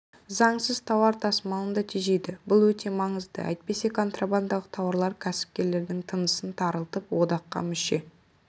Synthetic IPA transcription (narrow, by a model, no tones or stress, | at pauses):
zɑɴsəz̥t̪ʰɑwɑɾt̪ʰɑsmɑlˠənd̪ɑt̪ʰiʒe̞jd̪ɪbʊlˠwɵt̪ʰe̞mɑɴəzd̪ə̰ʔæ̰jt̪̚pe̞se̞kʰo̞nt̪raband̪ɑʁət̪ʰɑwɑɾlˠɑɾkʲʰæsɪ̥p̚kʲe̞ɾle̞ɾd̪ɪŋt̪ʰənəsənt̪ʰɑɾəlˠt̪əpwod̪ɑqːɑ̰mʏʃe̞